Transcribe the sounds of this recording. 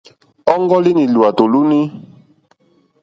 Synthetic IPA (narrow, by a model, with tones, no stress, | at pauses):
ɔ˦ŋɡɔ˦li˦nĩ˨lu˨a˨to˨lu˦ni˦